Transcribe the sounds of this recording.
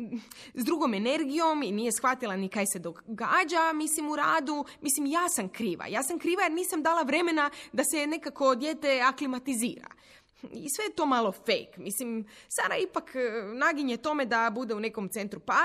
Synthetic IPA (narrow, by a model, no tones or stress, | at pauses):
zd̪ɾuɡo̞me̞ne̞ɾɡijo̞miniːje̞sxʋat̪ilˠanikajse̞d̪oɡaːd͡ʒamislimuɾaːd̪umislimjaːsamkɾiːʋa̰jaːsamkɾiːʋajeɾniːsamd̪aːlˠaʋɾe̞me̞nad̪ase̞ne̞kako̞d̪je̞ːt̪e̞aklimat̪izḭːɾa̰ | isʋe̞jet̪o̞malˠo̞fḛjkmislimsad̪aipaknaɡiɲjet̪o̞me̞d̪abud̪e̞une̞ko̞mt̪se̞nt̪ɾupa